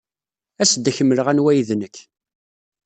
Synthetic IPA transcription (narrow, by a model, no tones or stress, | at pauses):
æsd̪ːçəmːələʁænwæjðnəkː